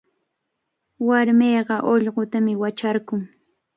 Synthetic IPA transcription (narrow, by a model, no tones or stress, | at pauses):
waɾmeːɢɑʔoʎɢot̪amɪwat͡ʃaɾkʊŋ